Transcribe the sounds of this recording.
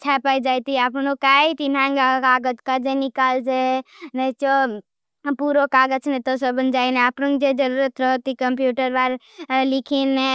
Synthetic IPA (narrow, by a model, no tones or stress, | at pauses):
t͡ʃʰapaid͡ʒajt̪iapnokait̪inãŋɡakaːɡəd͡ʒkad͡ʒenikald͡ʒenet͡ʃo | puɾokaːɡəd͡ʒnɛt̪ɔsəbənd͡ʒaineəpnəŋd͡ʒed͡ʒəɾuɾət̪ɾəɦt̪ikəmpjuʈəɾbaɾ | likʰine